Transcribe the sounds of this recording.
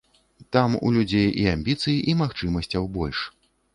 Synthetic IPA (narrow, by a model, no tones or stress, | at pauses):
t̪amṵlʲud͡zʲejiamʲbʲit̪sɨjiʔimaxt͡ʂɨmɐsʲt͡sʲɐwbɔlʲʂ